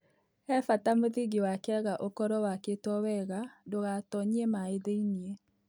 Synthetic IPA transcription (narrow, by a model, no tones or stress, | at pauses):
ɛfatamoðiɡewakɛɣaʔokɔɾɔwaketwɔwɛɣadoɣatɔɲiɛmaeðeinie